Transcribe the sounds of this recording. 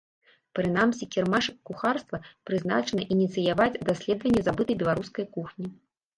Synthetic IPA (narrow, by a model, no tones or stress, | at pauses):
pɾɨnamsʲikʲɛrmaʂkuxarst̪vɐpɾɨzna̰t͡ʂɐnɐʔinʲit̪sɨjavad͡zʲd̪asʲlʲɛd̪vɐnʲːɛzabɨt̪ɨbʲɛlˠaɾuskɐjkuxnʲi